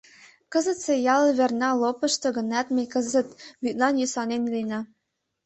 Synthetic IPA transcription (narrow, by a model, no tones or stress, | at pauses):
kɤ̆zə̆t̪sejɑlβernɑlopɤ̆ʃt̪ɤ̆ɡə̆næt̪mekə̆zə̆t̪byt̪̚lɑnjysɑnenlinɑ